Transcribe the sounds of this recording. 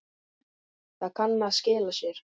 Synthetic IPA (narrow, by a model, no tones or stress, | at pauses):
θakʰanːaðscɪːlasjɛɾ̥